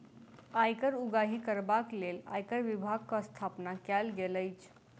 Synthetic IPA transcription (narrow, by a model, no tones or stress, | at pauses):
ajkəɾuɡaɦikəɾbaklela̰jkəɾʋibʱaɡ̚kəst̪ʰapnakalɡeləjt͡ʃʰ